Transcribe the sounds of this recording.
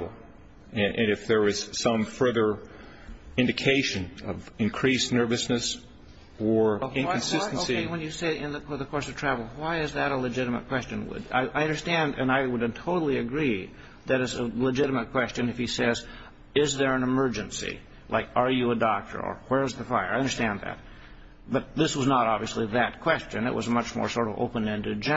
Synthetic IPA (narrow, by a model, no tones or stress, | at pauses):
vl̩ˠ | ʔnɨfðə˞ɨz̥sʌ̃mfɜ˞ðə˞ | ɪ̃ndɨkʰeɪʃɨ̃nʌ̰vɨ̃nkʰɹ̥isnɜ˞vɨsnɨs | ə˞ɪ̃nkɨ̃n̩sɪstn̩osiɪwə̃njɨseɪɪ̃nðɨðəkʰɔɹsʌv̥tʰɹ̥ævl̩ˠwaɪɨzðɨɾəlɨd͡ʒɪɾəmə̰t̚kʰw̥ɛst͡ʃɨ̃nwə̰da̰ɪʔaɪʌ̃ndə˞stæ̃ndɨ̰̃naɪwəɾtʰoʊɾl̩ˠiɨɡɹi | ðɨɾɨsələd͡ʒɪɾəmət̚kʰw̥ɛst͡ʃɨ̃nɨfhisɛz | ɪzðə˞ɨ̃nɨmɜ˞d͡ʒɨ̃nsḭ | lʔa̰ɪkə˞jɨədɔk̚tʰə̰˞ə̰˞wɛ˞ɨzðɨfaɪə˞aɪʌ̃ndə˞stæ̃nðɨ̰t̚ | b̥ʌt̪̚ðɪswʌznəɾɑbviɨsliðɨt̚kʰw̥ɛst͡ʃɨ̃nɨ̰ʔwʌ̰zəmʌt͡ʃmɔ̰ɹsɔɹɾʌvo̰ʊpə̃nɛ̃ndɨd͡ʒɛ̃